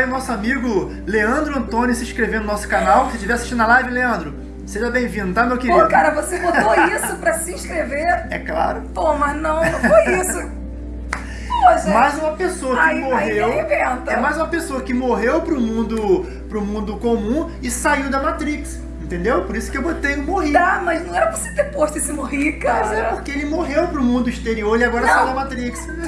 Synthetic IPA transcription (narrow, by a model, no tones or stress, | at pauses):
ẽj̃ʊnɔsʊamiɡʊ | leɐ̃nd̪ɾʊɐ̃nt̪õnʊsɪĩʃkɾevẽnd̪ʊnɔsʊ̥kanawkɪset͡ʃivɛasiʃt͡ʃĩnɐlajvɪleɐ̃nd̪ɾʊ | seʒɐbẽj̃vĩnd̪ʊt̪amewkivoikaɾɐvosebot̪oisʊpɾɐsɪĩʃkɾeveɾɛ̰kla̰ɾʊpomɐznɐ̃w̃nɐ̃fojisʊ | poʃmajzũmɐpesoɐkɪimoɦewevẽt̪ɐɛmajzũmɐpesoɐkɪmoɦewpɾʊmũnd̪ʊ | pɾʊmũnd̪ʊkomũ | ɪsaiwd̪ɐmat̪ɾiks | ẽnt̪ẽnd̪ewpoɾisʊ̥kɪewbot̪ej̃moɦiamɐznɐ̃w̃ɛɾɐpose̥t̪epoʃt̪ʊisɪmoɦikazɛpoɾkeelɪmoɦewpɾʊmũnd̪ʊisʃt̪eɾioɾiaɡɔɾɐsjajud̪ɐmat̪ɾiks